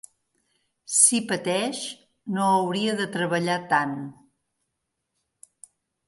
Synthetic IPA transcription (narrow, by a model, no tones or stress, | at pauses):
sipət̪ɛʃ | noəwɾiəðət̪ɾəβəʎat̪an